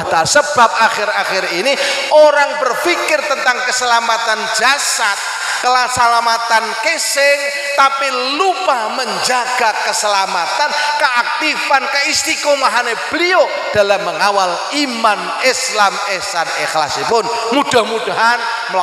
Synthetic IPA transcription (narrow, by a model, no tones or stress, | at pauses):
at̪alsəb̥a̤p̚axɪɾaxɪriniʔoɾaŋb̥ərfikɪrt̪ənt̪aŋkəsəlamat̪and͡ʒasat̪̚ | kəlasalamat̪ankesɪŋ | t̪api | lupahməɲd͡ʒaɡ̥akəsəlamat̪ankəʔak̚t̪ifankəist̪ikomaɦaneb̥əlio | d̥alamːəŋawal | iman | ɪslamɪsanɪxla̰sipʊn | mud̥ahmud̥aɦan | m